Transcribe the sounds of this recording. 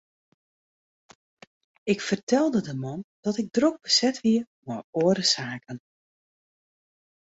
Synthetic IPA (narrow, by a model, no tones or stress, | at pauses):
ɪkfərtʰɛlˠdədəmɔnd̥ɔtɪɡ̚droɡ̚bəsɛtʋiə | mɔroəɾəsaːkən